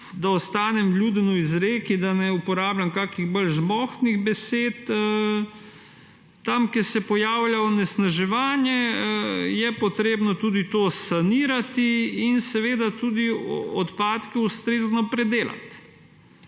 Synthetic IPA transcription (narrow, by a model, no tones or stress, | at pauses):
d̪aɔst̪aːnɛmlʲjuːd̪ɛnuizɾeːkid̪anɛupɔɾaːblamkaːkiɣbəlʒmɔxniɣbɛseːt̪ə | amkɛsɛpɔjaːwljaɔnɛsnaʒɛʋaːnjɛ | jɛpɔt̪ɾeːbnɔt̪uːd̪it̪oːsaniːɾat̪iːnsɛʋeːd̪at̪uːd̪iɔt̪paːt̪kɛust̪ɾeːznɔpɾɛd̪eːla̰t̪